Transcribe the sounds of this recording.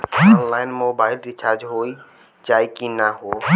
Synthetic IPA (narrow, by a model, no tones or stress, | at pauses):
ɔnlaːɪnmoːbaːɪlɖit͡ʃaɾd͡ʒɦoi | t͡ʃaːjkinaɦo